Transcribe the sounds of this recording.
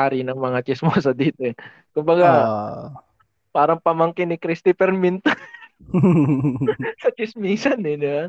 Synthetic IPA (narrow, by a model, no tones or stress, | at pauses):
aːɾɪnɐŋmɐŋat͡ʃɪsmoːsɐd̪iːt̪oɛ | kʊmbɐɡa | paːɾɐŋpɐmɐŋkɪnɪkɾist̪ɪpɛɾmɪnt̪o | sɐt͡ʃɪsmiːsɐnɪna